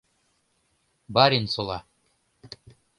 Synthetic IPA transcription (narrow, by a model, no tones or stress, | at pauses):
bɑɾʲinsolˠɑ